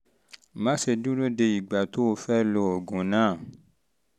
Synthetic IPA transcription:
mã˨˦se˧dũ˦ɾo˦de˧i˨ɡ͡ba˨to˦o˧fɛ˦lɔ˧o˨ɡũ˨nãː˦˨

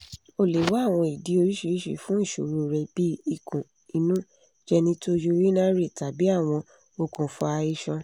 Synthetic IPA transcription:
o˦˨le˨˦wa˦a˦˨w̃ɔ̃˧i˨di˨˦o˧ɾi˦ʃi˧ɾʃḛ˦˨fũ˨˦n̩˦˨ʃo̰˨ɾu˧ɾɛ˧bi˦i˦˨kũ˨ | i˧˦nũ˦ | d͡ʒɛ˧nĩ˧to˦d͡ʒo˧ɾi˦nã˦ɾe˦˨ta˨bi˨˦a˦˨w̃ɔ̃˧ | o˧kũ˨fũ˧˦a˧i˦ʃɔ̃˧

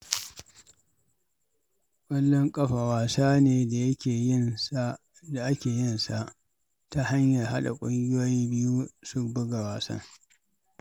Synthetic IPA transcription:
kʷʼɐ˦lːɔ˦ŋkʼɐ˦ɸa˨waː˨saː˦neː˨da˨jɐ˦kʲeː˨ɪ˦n˦ | da˨ʔa˦kʲeː˨jɪ˦nsa˨ʔ | ta˦ha˦ɲja˨rɦa˦ɗa˨kʷʼʊ˦ŋɡʲɪ˦jo˦ji˦bɪ˦ju˦sʊ˦kbʊ˦ɡa˨waː˨sɐ̰˦ŋ

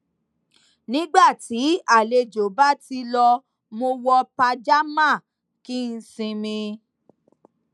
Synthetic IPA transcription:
nĩ˨˦ɡ͡ba˦˨ti˨˦a˦˨le˧d͡ʒo˨ba˦ti˧lɔ˧ | mo˧wɔ˧pa˧d͡ʒa˦mã˦˨ | ki˦n̩˧sĩ˧mĩ˧

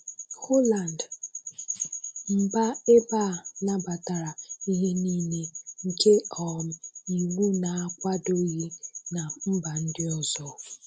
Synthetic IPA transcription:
ho˦la˨n˨d | m̩˦˨ba˦e˦ba˦˨na˨ba˨ta˨ɾa˨i˦ɦe˦niː˦ne˦ŋ̩˨ke˦ɔ˨m̩˨i˨ŋʷu˦na˨a˦kʷa˦do˦i˦ɦi˦na˨m̩˦ba˨n̩˦dɪ˦ɔ˨zɔ˦

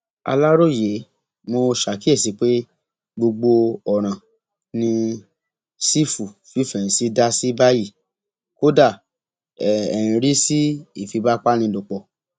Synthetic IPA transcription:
a̰˧la˦ɾo˦˨je˨˦ | mo˧ʃa˨ki˦e˦˨si˨˦k͡pe˦ | ɡ͡bo˧ɡ͡bo˧ɔ˨ɾ̃ã˨ | nĩ˧ | si˦fu˨fi˦˨fɛ̃˨si˨˦da˦si˦ba˦ji˦˨ | ko˦da˦˨ | ɛ˨ɛ̃˨ĩ˨ɾi˦si˦i˦˨fi˨˧ba˦k͡pa˦nĩ˧do˨k͡pɔ˨

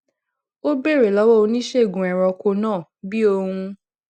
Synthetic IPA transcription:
o˦be˦˨ɾe˨lɔ˨˦wɔ˦o˧nĩ˦ʃe˦˨ɡũ˨ɛ˨ɾɔ˧ko˧nãː˦˨bi˦o˧hũ˧

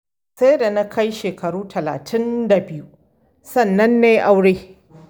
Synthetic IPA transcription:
sa˦jda˨na˦kʰɐ˦jʃeː˨kɐ˨ɽuː˦tʰɐ˨la̰ː˨tʰɪ˦nda˨bɪ˦ju˦ | sɐ˦˨nːɐ˦nːeː˦ʔa˦wɽeː˦

